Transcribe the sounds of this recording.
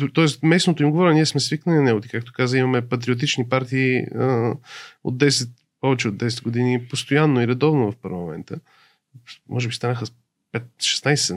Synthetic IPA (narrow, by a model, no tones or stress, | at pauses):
t̪ɔɛst̪mɛsnot̪oimɡovɔɾʲɛniɛsmɛsviknəlinnɛɡot̪ikak̚t̪o̥kazəimɐmɛpɐt̪̬ɾiot̪̬it͡ʃnipaɾt̪iːə | o̰d̪̚d̪ɛsɛt̪̚ | pɔvɛt͡ʃɛod̪ːɛsɛd̪ɡod̪inipost̪ojanːoiɾɛd̪ɔvnovɐfpəɾlˠɐmɛ̰nt̪ə | mʔɔʒɛbist̪anəxə | pɛt̪ʃɛ̥snajsɛ